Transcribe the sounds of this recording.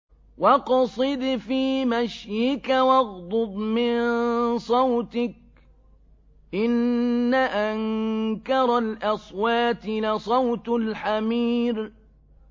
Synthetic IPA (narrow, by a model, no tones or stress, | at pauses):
wɑqɑsˤɨd̪fiːmaʃjɪkawɑɣd̪ˤʊb̪mɪnsˤɑwt̪ɪk̚ | ʔɪnːaʔaŋkɑɾˤɑlʔɑsˤwaːt̪nasˤɑwt̪lħamiːɾ